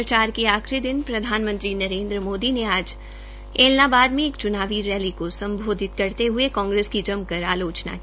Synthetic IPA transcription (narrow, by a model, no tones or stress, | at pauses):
ət͡ʃaːɾkiaːxɾid̪ɪnpɾɐd̪ʱaːnmə̃nt̪ɾinɐɾẽːnd̪ɾəmoːd̪ineaːd͡ʒ | eːlnabaːd̪mẽːkt͡ʃʊnaːʋiɾɛːlikosɐ̃mbʱoːd̪ʱɪt̪kɐɾt̪eɦʊekɔ̃ːŋɡɾeːskid͡ʒɐmkɐɾa̰ːloːt͡ʃna̰